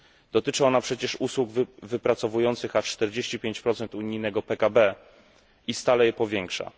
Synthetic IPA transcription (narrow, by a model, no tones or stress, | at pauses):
d̪̥ɔt̪ɘt͡ʂɘɔnapʂɛt͡ɕɛʂuswuɡvvɘpɾat̪sɔvujɔnt̪sɘxat͡ʂt̪ɛɾd͡ʑeɕt͡ɕipʲjeɲt͡ɕpɾɔt̪sɛnt̪uɲijnɛɡɔpɛkabɛ | ist̪alɛjɛpɔvʲjɛŋkʂa̰